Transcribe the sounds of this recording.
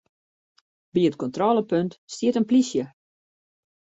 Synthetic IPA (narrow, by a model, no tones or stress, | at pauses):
biətkɔntrɔləpøntstiətənplisjə